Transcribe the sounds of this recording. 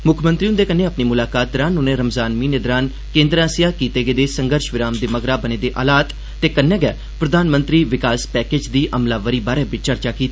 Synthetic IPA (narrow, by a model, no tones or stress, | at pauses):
mʊkʰmə̃nt̪ɾiːũnd̪eːkənːẽːəpniːmʊlaːkaːt̪̚d̪əɾaːnuːnẽːɾəmzaːnmiːned̪ɾaːn | kẽːnd̪ɾãːsijaːkiːt̪eːɡeːd̪eːsəŋɡəɾʃʋɪɾaːmd̪eːməɡɾaːbəneːd̪eːʔa̰ːlaːt̪ː | eːkənːɛ̃ːɡɛː | pɾəd̪aːnmənt̪ɾiːʋɪkaːspɛːkeːd͡ʒd̪iːʔəmlaːʋəɾiːbaːɾɛːbɪt͡ʃt͡ʃəɾt͡ʃaːkiːt̪aː